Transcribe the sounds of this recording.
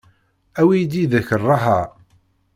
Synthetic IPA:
æwid̪iðæçərˤːɑɦæ

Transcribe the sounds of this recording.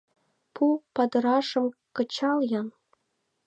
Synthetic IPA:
pʰupɑd̪ɤ̆ɾɑʂɤ̆mkɤ̆t͡ɕɑljɑn

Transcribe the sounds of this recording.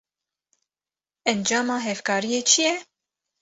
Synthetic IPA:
ɛnd͡ʒɑːmɑːɦɛvkɑːɾijeːt͡ʃʰijɛ

